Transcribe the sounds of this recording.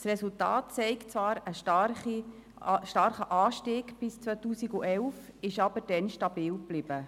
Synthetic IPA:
srɛsultɑ̰ːtt͡sɛɪkt͡sʋɑːɾəʃi | ʃtɑɾχəʔɑːʃtɪːɡb̥ɪst͡sʋœtuːsiɡuʔɛlfɪʃɑb̥əɾd̥ɛnʃtɑb̥iːwb̥lɪb̥ə

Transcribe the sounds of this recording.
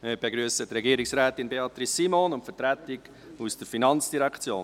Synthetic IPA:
mɪb̥eɡɾyːəsət̪rɛɡiːɾɪksɾɛːtinbeɑt̪ɾisːimonʊntfətɾætɪɡ | usd̥əɾfinɑnt͡sd̥iɾɛkʰt͡sjoːn

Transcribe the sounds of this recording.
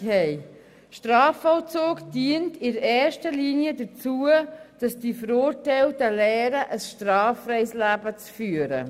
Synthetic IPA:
hɛɪ | ʃtrɑːfɔʊt͡soːkd̥iəntɪɾɛːʃtəliːniədət͡suəd̥ɑsd̥ifəɾʊrtɛɪltəlɛːɾəʔəsʃtrɑːfrɛɪslæbət͡sfyːəɾə̰

